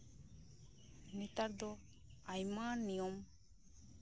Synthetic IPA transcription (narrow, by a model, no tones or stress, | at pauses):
nit̪aɾd̪ɔ | ajmanijɔm